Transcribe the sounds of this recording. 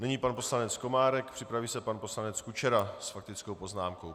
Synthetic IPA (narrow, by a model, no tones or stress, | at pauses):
nɛɲiːpanpo̞slanɛt͡sko̞maːɾɛkpr̝̥ɪpɾaviːsɛpanpo̞slanɛt͡skut͡ʃɛɾasfak̚t̪ɪt͡sko̞wpo̞znaːmko̞w